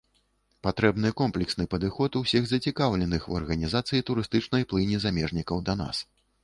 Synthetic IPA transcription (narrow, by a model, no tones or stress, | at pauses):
pat̪ɾɛbn̪ɨjkɔmplʲɛksnɨpɐd̪ɨxɔt̪uwsʲiɣzɐt͡sʲikawlʲɛnɨxṵɐ̰rɣɐnʲizat̪sɨjit̪uɾɨst̪ɨt͡ʂnɐjplˠɨnʲizamʲɛʐnʲikɐwd̪ɐna̰s